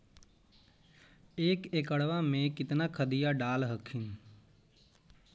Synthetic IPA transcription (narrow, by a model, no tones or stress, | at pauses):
eːkekəɽʋamẽkɪt̪nakʰəd̪ijaɖaːlɦəkʰin